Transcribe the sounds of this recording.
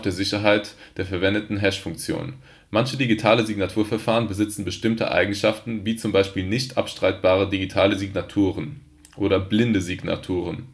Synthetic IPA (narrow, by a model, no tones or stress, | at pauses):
d̥eːɐzɪçɐɦaɪtd̥eːɐfɛɐvɛndətn̩ɦɛʃfʊŋk̚t͡sjo̰ːnn | mançədiɡitʰaːləziɡnatʰuːɐfɛɐfaːʁ̞ənbəzɪt͡sn̩bəʃtɪmtʰə̰ʔa̰ɪɡŋ̩ʃaftn̩viːt͡sʊmbaɪʃpiːlnɪçtʔa̰pʃtʁ̥aɪt̚b̥aːʁədiɡitʰaːləziɡnatʰuːʁən | ʔoːɾɐblɪndəziɡna̰tʰuːʁ̞ən